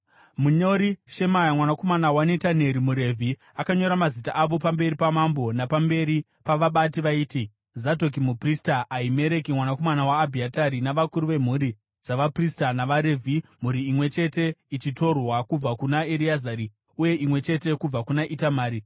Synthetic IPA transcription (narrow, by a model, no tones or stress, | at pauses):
muɲo̞ɾiʃe̞majamwanako̞manawanetane̞ɾimuɾe̞vʱi | akaɲo̞ɾamazita̰ʔaʋo̞pambe̞ɾipamambo̞napambe̞ɾi | paʋaɓatiʋaiːti | zato̞k̬imupristaʔaime̞ɾe̞kimwanako̞manawaːbʱiataɾinaʋakuɾuʋe̞m̤uɾi | d͡zaʋapristanaʋaɾe̞vʱim̤uɾiːmwe̞t͡ʃe̞te̞it͡ʃito̞rwakub͡vakunaeɾiazaɾi | uje̞ʔimwe̞t͡ʃe̞te̞kub͡vakunaʔitamaːɾi